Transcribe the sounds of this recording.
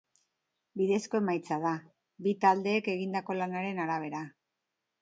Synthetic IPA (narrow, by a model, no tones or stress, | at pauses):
biðe̞sko̞e̞majt͡sað̞a | bit̪ald̪e̞ːke̞ɣind̪ako̞lanaɾe̞naɾaβ̞e̞ɾa